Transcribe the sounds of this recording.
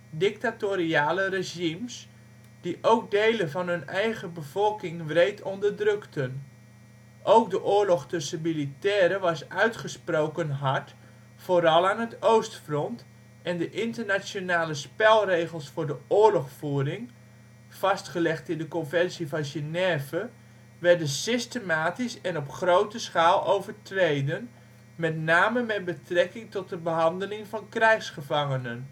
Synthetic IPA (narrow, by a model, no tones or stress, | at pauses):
dɪk̚tatoɾiaːləreʒims | d̥iʔowk̚dejləvɑnɦɵnɛjɣəbəv̥ɔlˠkɪŋʋrejtʰɔndərdrøktʰən | ʔowkdəʔʊːɹlɔxtɵsəmilitɛːɾəʋɑsœɥtχəsproːwkənɦɑt | foːɾɑlˠaːnətowstfrɔnt | ɛndəʔɪntərnasjonaːləspɛlˠreːɣəlˠsfʊːɹdəʊːɹlɔxfuːrɪŋ | fɑstχəlɛxtɪndəkɔnvɛnsivɑnʒenɛvə | ʋɛɹdənsɪstəmaːtisɛnɔpχrowtəsχaːlˠowvərtrejdən | mɛtnaːməmɛt̚bətrɛkɪŋtɔt̚dəbəɦɑndəlɪŋvɑnkrɛjxsχəvɑŋənən